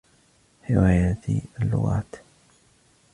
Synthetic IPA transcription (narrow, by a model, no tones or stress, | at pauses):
ħɪwaːjat̪ialːʊ̰ɣa̰ːt̪